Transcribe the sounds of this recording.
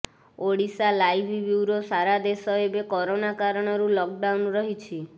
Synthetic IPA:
oɽisalajbʱibjuwɾosaɾad̪esɔebekɔɾonakaɾɔɽ̃ɔɾulɔk̚ɖawnɾɔɦit͡ʃʰi

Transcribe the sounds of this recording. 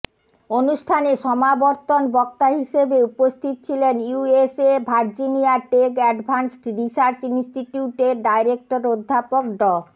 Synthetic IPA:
onuʃʈʰaneʃɔmaboɾt̪onbɔk̚t̪aɦiʃebeupost̪ʰit̪̚t͡ɕʰilenuesebʱaɾd͡ʑiniaʈekɛɖbʱansʈɾisaɾt͡ɕinsʈiʈiuʈeɾɖajɾek̚ʈoɾod̪ʱːapok̚ɖɔ

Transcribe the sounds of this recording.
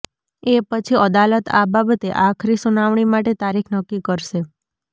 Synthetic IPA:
epət͡ʃʰiəd̪alət̪a̰babət̪eʔakʰɾisunaʋɳ̃imaʈet̪aɾikʰnəkːikəɾʃe

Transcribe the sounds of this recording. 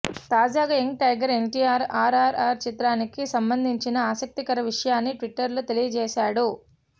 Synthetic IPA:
t̪aːd͡ʒaːɡaeŋkʈɐjɡɐɾe̞ɳʈiːaːɾaːɾaːɾaːɾt͡ʃit̪ɾaːnikisɐmbɐnd̪ʱiɲt͡ʃinɐaːsɐk̚t̪ikɐɾɐʋiʂɐjaːnːiʈʋiʈːɐɾlot̪e̞lijɐd͡ʒɛːsaːɽu

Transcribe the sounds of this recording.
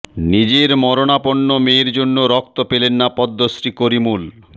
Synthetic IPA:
nid͡ʑeɾmɔɾonapoɳːomeɾd͡ʑonːoɾɔk̚t̪opelenːapɔd̪ʱːosɾikoɾimul

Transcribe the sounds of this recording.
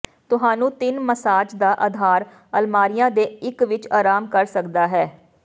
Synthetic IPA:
t̪ʊɦaːnũːt̪ɪnməsaːt͡ʃd̪aːʔəd̪ʱaːɾ | əlmaːɾɪjãːd̪eːɪkʋɪt͡ʃaːɾaːmkəɾsəkd̪aːɦɛː

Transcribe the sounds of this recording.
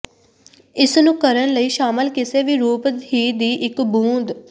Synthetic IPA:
ɪsnũːkəɾənləiːʃaːməlkɪseːʋiːɾuːpd̪iːd̪iːʔɪkbũːnd̪

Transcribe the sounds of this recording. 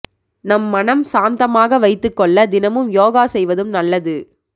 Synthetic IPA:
nɐmːɐnɐmsaːnd̪ɐmaːɣɐʋɐɪt̪ːɯkːɔɭːɐd̪ɪnɐmɯmjoːɣaːsɛjʋɐðɯmnɐlːɐðɯ

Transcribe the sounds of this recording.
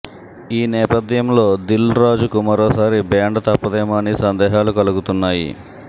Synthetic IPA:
iːnɛːpɐd̪jɐmlo̞ːd̪ilɾaːd͡ʒukumɐɾoːsaːɾibaːɳɖɐt̪ɐpːɐd̪ɛːmaːnisɐnd̪ɛːɦaːlukɐluɡut̪unːaːjḭ

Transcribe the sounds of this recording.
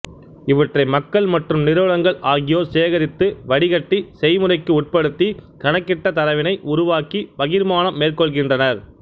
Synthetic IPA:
ɪʋɐʈrɐɪmɐkːɐɭmɐʈrɯmnɪɾɯʋɐɻɐŋɡɐɭaːɣɪjoːseːɣɐɾɪt̪ːɯʋɐɽɪɣɐʈːisɛjmɯrɐɪkːɯʊʈ̚pɐɽɯt̪ːikɐɳɐkːɪʈːɐt̪ɐɾɐʋɪnɐɪʔʊɾʊʋaːkiʋɐɣɪɾmaːnɐmːeːrkɔɭɣɪndrɐnɐɾ

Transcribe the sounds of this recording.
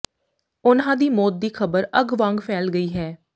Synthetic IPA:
ʊnãːd̪iːmoːt̪̚d̪iːkʰəbəɾəɡʋãːŋɡpʰɛːlɡəiːɦɛː

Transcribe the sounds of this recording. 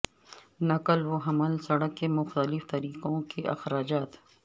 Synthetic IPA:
nɐkəlwoɦɐməlsɐɽəkːemʊxt̪əlɪft̪ɐɾiːqõkeʔɐ̰xɾaːd͡ʒaːt̪

